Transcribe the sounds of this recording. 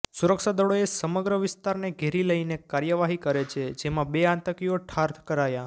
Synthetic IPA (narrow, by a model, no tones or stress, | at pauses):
suɾəkʃad̪əɭoesəməɡɾəʋɪst̪aɾneɡʱeɾiləinekaɾjəʋaɦikəɾet͡ʃʰed͡ʒemãbeãnt̪əkijoʈʰaɾt̪ʰkəɾaja